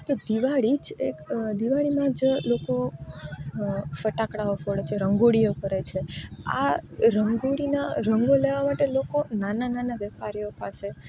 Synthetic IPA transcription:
t̪od̪iʋaɭid͡ʒekd̪iʋaɭimãd͡ʒloko | fəʈakɽaofoɽt͡ʃʰeɾəŋɡoɽijokəɾet͡ʃʰea̰ɾəŋɡoɽinaɾəŋɡoleʋamaʈelokonanananaʋɛpaɾijopase

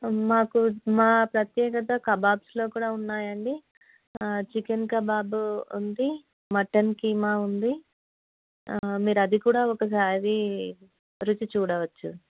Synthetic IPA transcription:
maːkumaːpɾɐt̪jɛːk̬ɐt̪ɐkɐbaːbslo̞ːkuːɽaːunːaːjɐɳɖi | t͡ʃikenkɐbaːbuund̪i | mɐʈːɐnkiːmaːund̪i | miːɾuɐd̪ikuːɽaːɔkɐs̬aːɾi | ɾut͡ʃut͡ʃuːɽɐʋɐt͡ʃːṵ

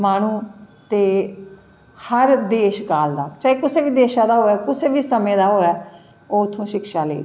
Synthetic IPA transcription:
maːɽ̃ũːt̪eː | həɾd̪eːʃkaːld̪aːt͡ʃaːeːkʊseːbiːd̪eːʃãːd̪aːɦoːɛːkʊseːbiːsəmẽːd̪aːɦoːɛː | oːʊt̪ʰːõːʃɪkʃaːləḭː

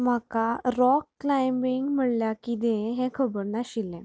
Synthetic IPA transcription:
m̤akaɾɔkːlajmbiŋɡm̤əɽljakid̪ɛ̃ɦɛ̃kʰəbəɾnaɕilːɛ̃

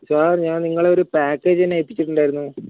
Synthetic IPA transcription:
saːɾɲaːnniŋːɐɭeo̞ɾupaːkːe̞ːd͡ʑɐnɐjpːit͡ɕːiʈːuɳɖaːjiɾunːu

